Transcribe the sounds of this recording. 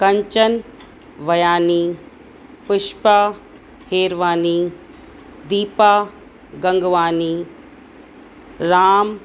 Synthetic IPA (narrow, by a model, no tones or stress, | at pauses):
kɐɲt͡ʃən | ʋɐjaːniː | pʊʃpa | heːɾʋaːniː | d̪iːpaː | ɡɐ̃ŋɡʋaːniː | ɾaːm